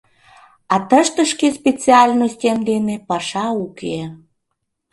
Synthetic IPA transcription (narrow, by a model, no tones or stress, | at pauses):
ɑt̪əʃt̪əʃkespʲet͡siɑlʲnojstʲemd̪enepɑʃɑuke